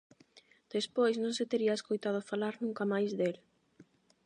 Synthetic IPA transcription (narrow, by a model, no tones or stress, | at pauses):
d̪̥espojsnõŋset̪eɾiɐeskojt̪að̞ʊfalaɾnũŋkamajzðel